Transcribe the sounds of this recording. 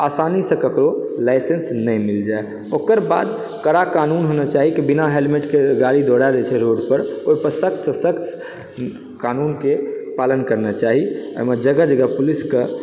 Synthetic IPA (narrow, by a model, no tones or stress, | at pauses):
asanisə̃kəkɾolaɪsensnə̃mild͡ʒae | okəɾba̰ːd̪ | kəɾakanunɦonat͡ʃaɦikebinaɦelmeʈkeɡaɾid̪ʱoɽad̪et͡ʃʰɛɾoɽpəɾoipəɾsəkt̪səsəkʰt̪ | kanunkepalənkəɾnat͡ʃaɦiə̰məd͡ʒəɡad͡ʒəɡapuliskə